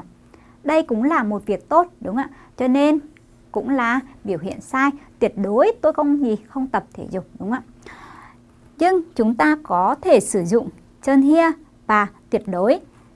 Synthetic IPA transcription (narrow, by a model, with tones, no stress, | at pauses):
ɗə˧jkʊ̰˧˥ŋ͡mlaː˨˩mo˨˩t̚vi˨˩ək̚t̪o˦˥t̚ɗʊ˨˦ŋ͡mʔaː˧˩ | t͡ɕɔ˧ne˧n | kʊ̰˧˥ŋ͡mlaː˨˩ɓi˧˩əwɦḭ˧˨ənsaː˧jt̪wi˨˩ət̚ɗo˨˦jt̪o˧jxə˧wŋ͡mŋḭ˧˩xə˧wŋ͡mt̪ə˨˩p̚t̪ʰe˧˩zʊ̰˨˧˩k͡p̚ɗʊ˨˦ŋ͡mʔa̰ː˧˩ | ɲɨ˧ŋt͡ɕʊ˨˦ŋ͡mt̪aː˧kɔ˨˦t̪ʰe˧˩sɨ˧˩zʊ̰˧˨ŋ͡m | t͡ɕəː˧nhi˧ə | vaː˨˩t̪wi˨˩ət̚ɗo˨˦j